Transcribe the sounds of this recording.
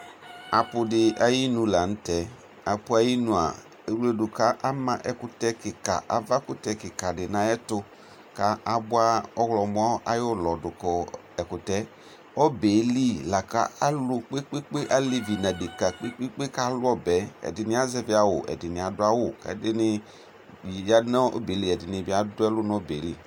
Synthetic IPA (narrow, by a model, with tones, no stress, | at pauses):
a˨pʊ˨dɪ˨ʔa˨ji˦nũ˨˦la˨n̩˦tɛ˨˦ | a˨pʊ˦a˨˦ji˦nũ˨a̰˨ | e˨wle˦dʊ˨ka˦ʔa˦mã˦ʔɛ˨kʊ˨tɛ˦kɪ˨ka̰˨ʔa̰˨va˦kʊ˦tɛ˨kɪ˨ka˨dɪ˨nã˨ɛ˦tʊ˧ | ka˨a˨bʊ˦a˦ɔ˦ɣlɔ˨m˦ɔ˦a̰˦jʊ˦˨lɔ˨dʊ˨kɔ˨ | ɛ˨kʊ˨tɛ˦ | ɔ˦be˨˦li˦˨la˨ka̰˦a˦lʊ˦k͡pe˦k͡pe˦k͡pe˦ʔa˦li˦vi˨nã˨de˨ka˨k͡pe˦k͡pe˦k͡pe˦ka˦lʊ˦ɔ˦bɛ˨˦ɛ̰˨dɪ˨nɪ˦a˦zɛ˦bɪ˦a˨wʊ˨ʔɛ̰˨dɪ˨nɪ̃˨a˨dʊ˦a˦wʊ˨ka̰˨dɪ˦nɪ˧˨ | ja˦nɔ˦o̰˦be˨˦li˨ɛ˨dɪ˨nɪ˨bɪ˨˦a˦dʊ˦ɛ˦lʊ˦nɔ˦be˨˦li˨